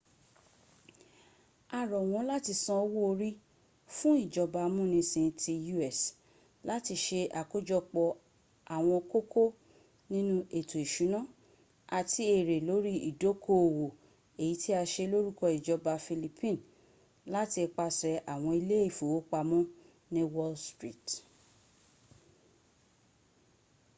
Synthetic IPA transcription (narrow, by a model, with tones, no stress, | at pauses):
a˨ɾɔ˨w̃ɔ̃˧˦la˦ti˧sã˧o˧wo˦o˧ɾi˦ | fũ˦i˦˨d͡ʒɔ˧ba˧mũ˦nĩ˧sĩ˧tʰi˧ju˧ɛ˨s | la˦ti˧ʃe˧a˨ko˦d͡ʒɔ˧k͡pɔ˧ | a˨w̃ɔ̃˧ko˦kʰo˦ | nĩ˦nũ˦e˨to˨i˨ʃu˨˦nã˦ | a˨ti˦e˦˨ɾe˨lo˨˦ɾi˦ḭ˨do˨˦kʰo˦o˨wo˨ | e˨ji˨˦tʰi˦a˧ʃe˧lo˦ɾu˦kɔ˧i˨d͡ʒɔ˧ba˧fi˧li˧pʰĩ˦˨n˨ | la˦ti˧k͡pa˧sɛ˧ʔa˨w̃ɔ̃˧i˧le˦e˦˨fo˨wo˨˦k͡pa˧mũ˦ | nĩ˦wɔ˦lstɾi˦˨t